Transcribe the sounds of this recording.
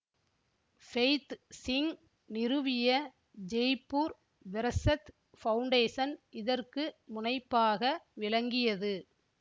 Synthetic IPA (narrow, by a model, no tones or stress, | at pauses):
fɛɪt̪sɪŋ | nɪɾɯʋɪjɐ | d͡ʒɛjpːuːɾ | ʋɛɾɐsɐt̪ | fɐʊɳɖeːsɐnʔɪðɐrkɯmʊnɐɪpːaːɣɐʋɪlɐŋɡɪjɐðɯ